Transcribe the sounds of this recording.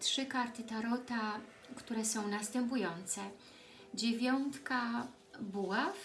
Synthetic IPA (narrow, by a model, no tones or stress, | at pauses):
tʂɘkaɾt̪ɘt̪aɾɔt̪a | kt̪uɾɛsɔ̃w̃nast̪ɛmp̬ujɔnt̪sɛ | d͡ʑevʲjɔnt̪ka | buwaf